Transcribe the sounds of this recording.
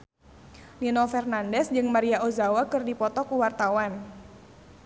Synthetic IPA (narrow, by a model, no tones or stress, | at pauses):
ninɔfɛrnandɛsd͡ʒɨŋmaɾiaozawakɨrdipɔt̪ɔkuwart̪awan